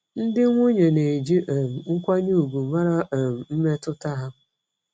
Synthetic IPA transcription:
n̩˦dɪ˦ŋʷu˦ɲe˨ne˨d͡ʒi˦ʔm̩˨ŋ̩˦kʷa˦ɲu˦u˨ɡu˨ma˦ɾa˦˨m̩˨m̩˦me˦tʊ˦ta˦ɦa˦

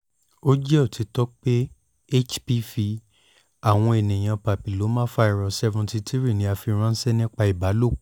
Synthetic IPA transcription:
o˦d͡ʒɛ˦ɔ˦˨tʰi˨˧˦tɔ˦k͡pe˦ | e˦t͡ʃpi˧˦fi˧ | a˨w̃ɔ̃˧e˨nĩ˨j̃ã˧pa˨pi˨lo˨˦mãː˦fa˦i˧˨ɾɔ˨sɛ˧vũ˧ti˧ti˦ɾi˦˨nĩ˨˦a˧fi˧ɾ̃ã˦n̩˦sɛ˦nĩ˦k͡pa˧i˨ba˨˦lo˦˨

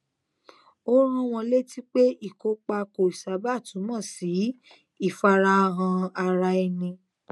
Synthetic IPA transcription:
o˦ɾ̃ũ˧w̃ɔ̃˧le˦ti˦k͡pe˦i˦˨ko˧˦k͡pa˧ko˨i˨sa˨˦ba˦˨tu˨˦mɔ̃˦˨si˨˦ | i˦˨fa˧ɾa˧ɦã˧a˧ɾa˧e˧nĩ˧

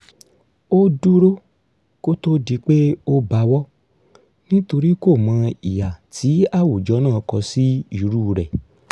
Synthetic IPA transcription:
o˦du˦ɾo˦ | ko˦to˦di˧k͡pe˦o˦ba˧˦wɔ˦ | nĩ˦to˧ɾi˦ko˦˨mã˧ḭ˨ja˨tʰi˨˦a˦˨wo˨d͡ʒɔ˨˦nãː˦˨˧kɔ˧si˦i˦˨ɾuː˦˨ɾɛ˨

